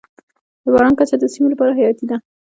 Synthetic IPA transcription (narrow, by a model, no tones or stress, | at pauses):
d̪̥əbɑɾɑnkat͡ʃad̪əsimolapɑɾaɦajɑt̪id̪a